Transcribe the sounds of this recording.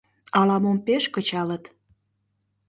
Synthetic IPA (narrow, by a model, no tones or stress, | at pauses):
ɑlɑmompeʃkə̆t͡ɕɑlət̪